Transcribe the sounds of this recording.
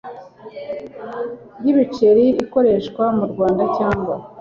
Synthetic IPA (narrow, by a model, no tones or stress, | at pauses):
jiβit͡ʃe̞ɾiiko̞ɾe̞ːʃkwamuɾɡwaːndacaːŋɡwa